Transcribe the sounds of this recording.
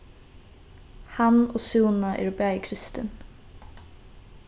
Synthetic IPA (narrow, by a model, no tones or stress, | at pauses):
hɑnoːsuːnaʔḛːɾbæɪkʰɾɪst̪ɪn